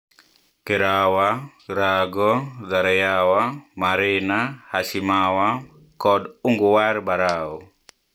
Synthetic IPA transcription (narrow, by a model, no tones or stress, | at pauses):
keɾawa | ɾaɡɔðaɾɛjawamaɾɪnahasimawa | kɔduŋɡuwaɾbaɾawɔ